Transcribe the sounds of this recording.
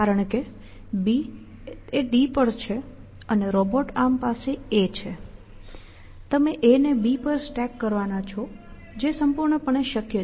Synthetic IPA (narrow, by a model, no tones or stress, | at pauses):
kaɾəɳke | bi | eɖipəɽt͡ʃʰe | əneɾɔboʈampaseet͡ʃʰe | t̪əmeʔenebipəɾsʈɛkːəɾʋanat͡ʃʰɔ | d͡ʒesəmpuɾɳəpəɳeʃəkjə